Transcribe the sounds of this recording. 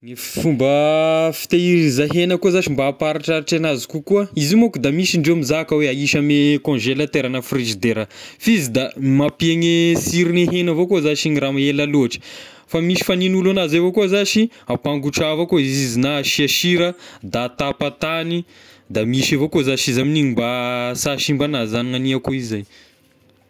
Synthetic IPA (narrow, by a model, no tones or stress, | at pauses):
niffumbəfi̥t̪eiɾizaɦenəkuazaʃimbaːpaɾiʈ͡ʂaɾiʈ͡ʂanazikukuəizimokud̪amisiɳɖ͡ʐemizakəweaiʃamekõʒelət̪eɾanəfrizid̪eɾəfizid̪amapieŋesiɾineɦenəvokozaʃiniɾamaelaloʈ͡ʂə̥ | famiʃi̥faninulanazavokuzaʃi | apaŋɡuʈ͡ʂavakoizizinaʃiaʃiɾəd̪at̪apat̪ani | d̪amiʃavokozaʃizaminiɲimbasaʃimbanazaniŋaniakuizaj